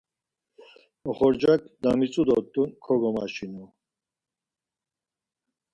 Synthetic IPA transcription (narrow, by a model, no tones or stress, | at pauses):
ɔχɔɾd͡ʒak̚ʰʼd̪amit͡sʼud̪ɔt̪ʼunkʰɔɡɔmaʃinu